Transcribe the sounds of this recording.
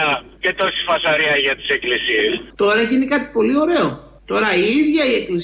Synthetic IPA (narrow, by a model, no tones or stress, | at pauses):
ɐcet̪oɾsi̥fɐsɐɾiɐʝɐt̪i̥seklisiest̪o̞ɾɐeʝinekɐt̪i̥po̞lio̞ɾe̞o̞ | t̪o̞ɾɐiiðʝɐie̞klis